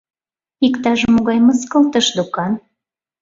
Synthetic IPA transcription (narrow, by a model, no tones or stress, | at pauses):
ikt̪ɑʒəmːoɣɑjməskəlt̪əʃd̪ukɑn